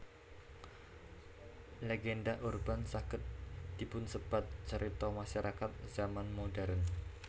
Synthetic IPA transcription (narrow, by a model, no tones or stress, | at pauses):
leɡendaʔurbansakɪt̪̚d̪ibʊnsəb̥at̪̚t͡ʃəɾʔit̪ɔmaʃaɾʔakat̪̚z̥amanmodɛɾən